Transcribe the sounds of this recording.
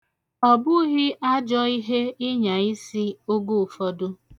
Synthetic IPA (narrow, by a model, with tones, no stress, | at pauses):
ɔ˨bʊ˦ɣɪ˦ʔa˦d͡ʒɔ˦i˦ɦe˦ɪ˦ɲa˨i˦si˦o˦ɡo˦˨fɔ˦dʊ˦